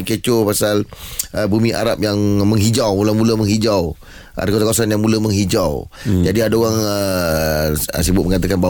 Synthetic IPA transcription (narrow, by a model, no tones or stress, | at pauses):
kət͡ʃopasaləbumĩʔa̰ɾap̚jaŋmə̃ŋɦid͡ʒawmulamuləməŋɦid͡ʒaw | ʔa̰dakwasakawasanjaŋmuləmə̃ŋɦid͡ʒawd͡ʒadiadaoɣaŋə | ə̰sibʊt̪̚məŋat̪̬akanba